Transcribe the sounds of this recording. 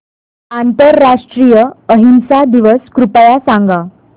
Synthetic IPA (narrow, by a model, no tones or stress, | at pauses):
ant̪əɾːaʂʈɾijəəɦinsad̪iʋəskɾupəjasãŋɡa